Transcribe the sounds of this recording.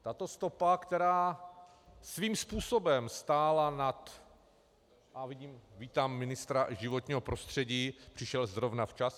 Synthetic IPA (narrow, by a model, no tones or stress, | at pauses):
t̪at̪o̞st̪o̞pakt̪ɛɾaː | sviːmspuːso̞bɛmst̪aːlanat̪ | ʔavɪɟiːmviːt̪aːmːɪnɪst̪ɾaʒɪvo̞t̪ɲiːɦo̞pɾo̞st̪r̥ɛɟiːpr̥ɪʃɛlzɾo̞vnaft͡ʃas